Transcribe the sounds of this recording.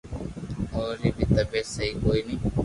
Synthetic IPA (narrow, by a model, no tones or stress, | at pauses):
oːɾiːbʱiːt̪əbeːsəɦiːkoːiːnĩː